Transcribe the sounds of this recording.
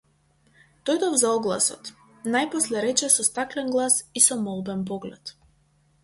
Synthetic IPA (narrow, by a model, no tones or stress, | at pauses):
d̪̥ɔjd̪ɔvzaɔɡlˠa̰sɔ̰t̪ | najpɔslɛɾɛt͡ʃɛsɔst̪aklɛnɡlˠasisɔmɔlˠbɛnpɔɡlɛt̪